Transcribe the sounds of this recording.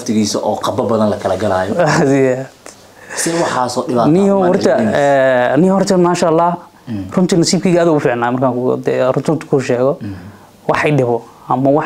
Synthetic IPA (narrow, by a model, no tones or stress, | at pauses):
lɐft̪ʰɪɣiːsɐʔɔːqɐbɐbɐðɐnlɐkʰɐlɐɡɐlaːjɔsjad̪̥ | sɛwɑħaːsɔːɗɪβaːt̪nɪjɔɔrt̪ʰɐɛːnɪjhɔrt̪ʰɐmaːʃalːɑːh | rʊnt̪ʰinɐsiːb̚kʰiːɣaːðɐʊfiːʕnaːmɐrkʰaːkd̪ɛrʊt̪ʰɔːnt̪ʰʊ̥kʰuʃɛːɣɔ | wɑħɪɖɪβɔ | ɐmɐwɑ